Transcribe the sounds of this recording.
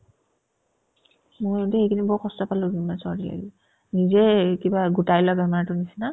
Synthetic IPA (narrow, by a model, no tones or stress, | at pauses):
mojdɛejkʰinibɔkɔstɔpaluɡimasɔɹia̰li | nizɛkibaɡutajlɔɡɛmaɹtʊnisina